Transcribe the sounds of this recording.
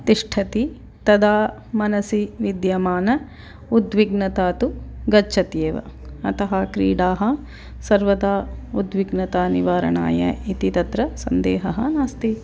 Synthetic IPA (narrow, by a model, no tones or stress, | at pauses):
t̪iʂʈʰɐt̪i | t̪ɐd̪aː | mɐnɐsiʋid̪jɐmaːnɐ | ud̪ʋiɡnɐt̪aːt̪uɡɐt͡ʃʃʰɐt̪jeːʋɐ̰ɐt̪ɐɦɐkɾḭːɽaːɦɐ | sɐɾʋɐd̪aːud̪ʋiɡnɐt̪aːniʋaːɾɐ̰ɳa̰ːjɐ̰it̪it̪ɐt̪ɾɐsɐnd̪eːɦɐɦɐ̰naːst̪i